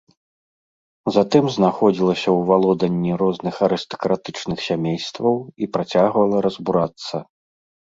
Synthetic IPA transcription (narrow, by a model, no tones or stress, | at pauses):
zat̪ɨmznaxɔd͡zʲilˠɐsʲɐwvalˠɔd̪ɐnʲːiɾɔznɨxɐɾɨst̪ɐ̥kɾat̪ɨt͡ʂnɨxsʲamʲejst̪vɐwipɾat͡sʲaɣvɐlˠɐɾɐzbuɾat̪sːɐ